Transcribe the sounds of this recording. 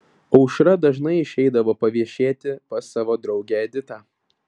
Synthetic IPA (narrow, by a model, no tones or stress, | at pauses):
ɒʊʃɾɐd̪ɐʒnɐɪɪʃʲɛɪd̪ɐʋoːpɐʋʲiɛʃʲeːt̪ʲɪpɐsɑːʋoːd̪ɾɒʊɡʲæːɛd̪ʲɪt̪ɑː